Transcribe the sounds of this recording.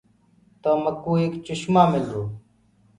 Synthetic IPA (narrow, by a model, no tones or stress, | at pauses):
t̪oːməkːuːeːkt͡ʃʊʃmaːmɪld̪oː